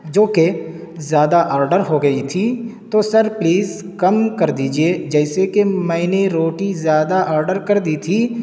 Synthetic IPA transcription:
d͡ʒoːke | zjaːd̪aʔaːɾɖəɾɦoɡɐit̪ʰit̪osəɾpliːz | kɐmkɐɾd̪iːd͡ʒied͡ʒɛːɪsekemɛ̃ːneɾoːʈizjaːd̪aʔaːɾɖəɾkɐɾd̪it̪ʰi

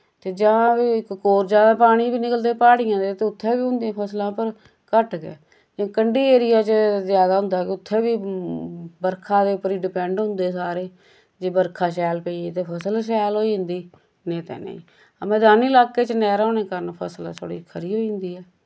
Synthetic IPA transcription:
t̪eːd͡ʒãːiɪkkoːɾd͡ʒaːd̪ãːpaːɽ̃iːbiːnɪkəld̪eːpaːɽɪjãːd̪eːt̪eːʊt̪ʰːeːbiːɦʊ̃nd̪iãːpʰəslãːpəɾ | kəʈɡḛː | d͡ʒãːkəɳɖiːeːɾɪjaːt͡ʃəzjaːd̪aːɦʊ̃nd̪aːkɪʊt̪ʰːẽːbiː | bəɾkʰãːd̪eːpəɾiːɖɪpɛ̃ːɳɖɦʊ̃nd̪eːsaːɾeː | d͡ʒeːbəɾkʰaːʃɛːlpəiːeːt̪eːpʰəsəlʃ̬ɛːloːiːɦʊ̃nd̪iː | nẽːt̪ɛ̰ːnḛḭ̃ː | əmɛ̃ːd̪aːniːlaːkːeːt͡ʃnɛːɾãːneːkəɾənpʰəslːsʰo̰ːɽḭːkʰəɾiːɦoːiːɦnd̪iːɛː

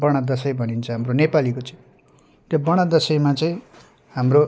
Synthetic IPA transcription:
bʌɽ̃ad̪ʌsʌjbʱʌnint͡sʰʌɦamronepalikot͡sʌĩ | t̪jobʌɽ̃ad̪ʌsʌjmat͡sʌĩ | ɦamro

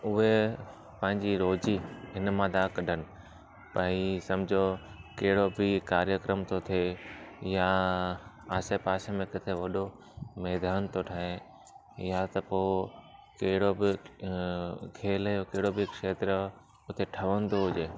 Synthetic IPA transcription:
ʊɦe | pɐ̃ɦɪ̃ɲd͡ʑiɾoːd͡ʑiɪnmãd̪aːkɐɖʱənɪ̆ | pɐisɐ̃md͡ʑʱokɐɦɪɽobɪkaːɾjəkɾəmt̪ʰot̪ʰeja | aːsepaːsemẽkɪt̪ʰeʋɐɗo | mɛːd̪aːnt̪ʰoʈʰaːɦe | jat̪ɐpoːkɐɦɪɽobɪ | kʰeːləjokɐɦɪɽobɪkʃeːt̪ɾə | ʊt̪eʈʰɐʋənd̪oɦʊʄeː

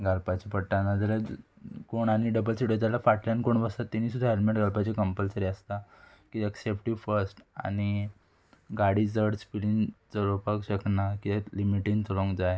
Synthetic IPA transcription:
ɡʱalpat͡ɕipəɽʈanad͡z̪la | koɳañiɖəbəlsiʈod͡zalafaʈlankoɳbəsat̪ːiniːsud̪ʱaɦelmeʈɡʱalpat͡ɕikəmpəlsəɾiast̪a | kieksepʈiʋfəɾsʈa̰ɽ̃i | ɡaɽid͡zəɽspilint͡səɾopəkɕəknakit̪limiʈint͡səlõŋɡd͡zaj

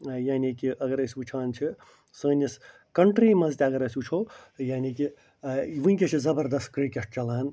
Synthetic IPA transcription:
jaːnikiʔɐɡɐɾəsiut͡ʃʰaːnt͡ʃʰi | səːnʲis | kɐɳʈɾiːmɐzt̪ʲeɐɡɐɾɐsʲut͡ʃʰoːjaːniki | ʋɨ̃nʲkʲet͡ʃʰizɐbɐɾd̪ɐst̪̚kɾikʲeʂʈ̚t͡ʃɐlaːn

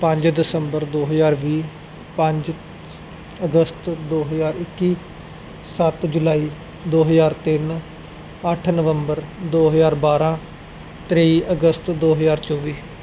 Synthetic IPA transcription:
pə̃ɲd͡ʒd̪ɪsəmbəɾd̪oːɦəzaːɾʋiː | pə̃ɲd͡ʒ | əɡəst̪d̪oːɦəzaːɾɪkːiː | sət̪d͡ʒʊlaːiː | d̪oːɦəzaːɾt̪ɪn | əʈʰnəʋəmbəɾd̪oːɦəzaːɾbaːɾãː | t̪ɾeːiːʔəɡəst̪d̪oːɦəzaːɾt͡ʃɔːʋiː

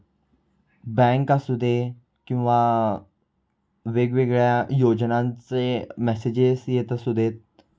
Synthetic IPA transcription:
bɛ̃ŋkasud̪ʱe | kĩw̃ʋa | ʋeɡʋeɡɭjajod͡ʑnãnt͡semɛsed͡ʑesjet̪asud̪ʱet̪̚

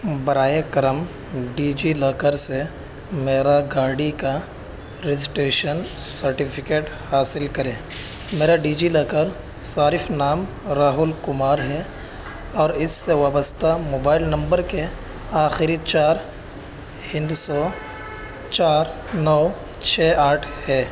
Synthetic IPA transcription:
bɐɾaːjekəɾəm | ɖiːd͡ʒilɔːkəɾse | meːɾaɡaːɽika | ɾɪzɪsʈeːʃənsəɾʈɪpʰɪkeːʈhaːsɪlkɐɾẽː | meːɾaɖiːd͡ʒilɐːkəɾ | saːɾɪfnaːm | ɾaːɦʊlkʊmaːɾɦɛ | ɔːɾɪsːeʋaːbəst̪amoːbaːɪlnɐ̃mbəɾke | aːxɪɾit͡ʃaːɾ | hɪ̃nd̪sɔː | t͡ʃaːɾ | nɔː | t͡ʃʰeːaːʈʰhɛː

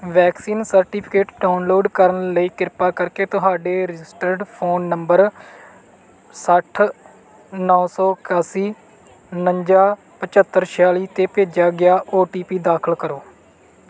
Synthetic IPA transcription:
ʋɛːksiːnsəɾʈiːpʰɪ̥keːʈɖaːʊnloːɖkəɾənləiːkɪɾpaːkəɾkeːt̪ʊɦaːɖeːɾɪd͡ʒɪsʈəɾɖpʰoːnːəmbəɾ | səʈʰ | nɔːsɔːkaːsiː | nəɲd͡ʒaː | pət͡ʃət̪ːəɾʃʰaːliːt̪eːpeːd͡ʒaːɡɪjaːʔoːʈiːpiːd̪aːkʰəlkəɾoː

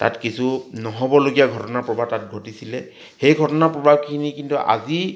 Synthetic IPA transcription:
ta̰tkisʰunɔɦɔbɔloɡijaɡʱɔtɔnapɹɔbʱatat̚ɡʱotisilɛ | xejɡʱɔtɔnapɹɔbʱab̚kʰinikintuʔa̰zi

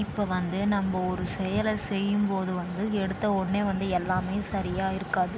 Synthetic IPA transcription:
ɪpːoʋɐnd̪ɯnɐmbɐɔɾɯsɛjɐlɐsɛjːɯmpoːðɯʋɐnd̪ɯɛɽɯt̪ːɐɔɽɐneːʋɐnd̪ɯɛlːaːmeːsɐɾɪjaːɪɾɯkːaːðɯ

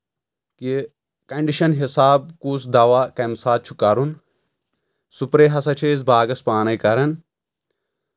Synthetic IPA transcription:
ki | kɐɳɖiʃɐnɦisaːb̚kuːsd̪ɐwaːkɐmsaːt̪̚t͡ʃʰu̥kɐɾun | supɾeːɦɐs̬ɐt͡ʃʰeːz̬baːɡɐspaːnɐjkɐɾɐn

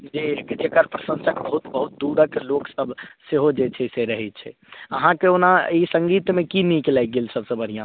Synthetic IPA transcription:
d͡ʒed͡ʒekəɾpɾəsə̃nsəkbəɦut̪bəɦut̪̚d̪uɽəkloksəbseɦod͡ʒet͡ʃʰɛseɾəɦɛt̪̚t͡ʃʰɛ̰ | əɦãkeonaisə̃ŋɡit̪mẽkinĩkelajk̚ɡelsəbsə̃bəɽ̤ijã

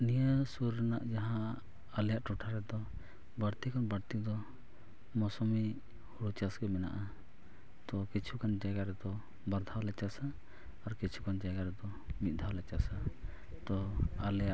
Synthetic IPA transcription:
nijəsuɾnaʔd͡ʒaɦãː | lɛjaʔʈuʈʰaɾɛd̪ɔ | bəɽt̪ikɔnbəɽt̪id̪ɔ | mɔsɔmi | huɽut͡ʃasɡɛmɛna̰ʔa | t̪ɔkit͡ʃʰukand͡ʒaɡaɾɛd̪ɔ | baɾd̪ʱawlɛt͡ʃasaː | ɾkit͡ʃʰu̥kand͡ʒaɡaɾɛd̪ɔ | mit̪̚ˀd̪ʱalɛt͡ʃasa | t̪ɔalɛjaʔ

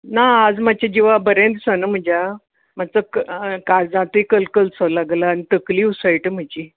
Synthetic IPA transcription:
naːd͡zmat͡ɕed͡ʑiʋabəɾẽnd̪sənəm̤əd͡ʑa | mat͡səkkad͡zãt̪uikəlkəlt͡sʰəlaɡlaːnit̪əkliːusajʈəm̤ad͡ʑi

